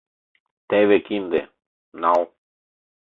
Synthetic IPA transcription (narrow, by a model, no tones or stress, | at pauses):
t̪eβekind̪ḛ | naw